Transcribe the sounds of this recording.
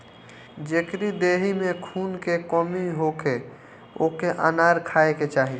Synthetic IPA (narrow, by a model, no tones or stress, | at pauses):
d͡ʒekɾid̪eɦimekʰunkekɔmiɦoke | o̰keʔanaɾkʰaeket͡ʃaːɦi